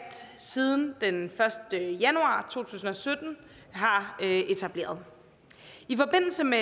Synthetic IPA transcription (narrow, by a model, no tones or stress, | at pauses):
d̥sið̞ˠn̩d̥enfɶɐsd̥əjænuɑ̰̈ːt͡sʰo̝̰ːt͡sʰṵːsn̩ɒ̽sød̥n̩ | ɦɑ̈øe̝t͡sʰæb̥le̝̰ːɐð̞ˠ | ifɒ̽b̥e̝n̰l̩səme